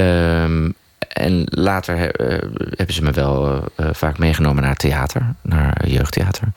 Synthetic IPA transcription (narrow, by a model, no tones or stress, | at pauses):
əm | ɛ̰nlaːtʰəɹɛ̰hɛbəzəməʋɛlˠv̥aːkmejχənowmənaːɹteaːtʰəɹnaːɹjøɥχtḛaːtʰəɹ